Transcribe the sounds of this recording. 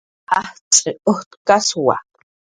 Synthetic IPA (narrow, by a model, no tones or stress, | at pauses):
aht͡sʼiʊht̪kaswa̰